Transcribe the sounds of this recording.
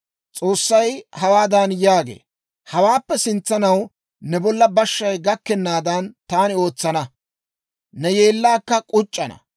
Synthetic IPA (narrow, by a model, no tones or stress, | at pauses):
t͡sʼo̞ːsːɐjhɐwaːd̪ɐnjaːɡḛː | hɐwaːpːɛsɪnt͡sːɐnɐw | nɛbɔlːɐbɐʃːɐjɡɐkːɛnːaːd̪ɐnt̪aːnɪo̞ːt͡sːɐnɐ | nɛjeːlːaːkːɐkʼʊt͡ʃʼːɐnɐ̰